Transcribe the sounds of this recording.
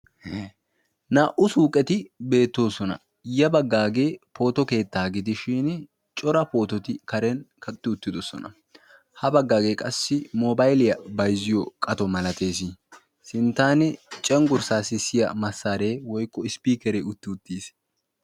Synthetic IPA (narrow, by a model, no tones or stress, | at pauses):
naːʔʊsuːkʼɛt̪ɪbe̞ːt̪ːo̞ːsɔnɐ̰ | jɐbɐɡːaːɡe̞ːpʰo̞ːt̪ɔke̞ːt̪ːaːɡɪd̪ɪʃiːn | t͡ʃʼɔɾɐpo̞ːt̪ɔt̪ɪkɐɾɛnkɐk̪ʼːɪʊt̪ːɪd̪ɔsɔ̰nɐ̰ | hɐbɐɡːaːɡe̞ːkʼɐsːɪmoːbɐjlɪjɐbɐjzɪjɔkʼɐt̪ɔmɐlɐt̪e̞ːsɪ | sɪnt̪ːaːnɪt͡ʃʼɛŋɡʊɾsaːsɪsɪjɐ̰mɐsːaːɾe̞ːwɔjkːɔɪspiːkɛɾeʊt̪ːɪʊt̪ːiːs